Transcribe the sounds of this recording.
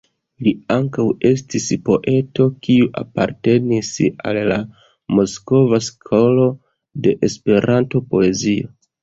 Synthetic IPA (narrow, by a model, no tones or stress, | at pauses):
liaŋkawe̞stispo̞ʔe̞to̞kiuʔa̰pa̰ɾte̞nisa̰lːa | mo̞sko̞vaskʰo̞lo̞ | de̞ʔespe̞ɾanto̞po̞e̞zio̞